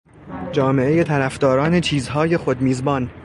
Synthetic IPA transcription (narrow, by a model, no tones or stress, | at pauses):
d͡ʒɒːme̞ʔejet̪ʰæɾæfd̪ɒːɾɒːne̞t͡ʃʰiːzɦɒːje̞xod̪miːzbɒːn